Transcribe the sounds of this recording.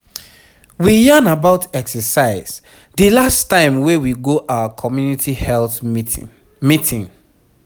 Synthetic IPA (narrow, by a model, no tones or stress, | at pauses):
wijanabaʊtɛksəsaɪz̥ | dəlastãɪ̃mwewiɡoʔaʊakʰɔmjunitʰihɛlθ | mitʰĩŋ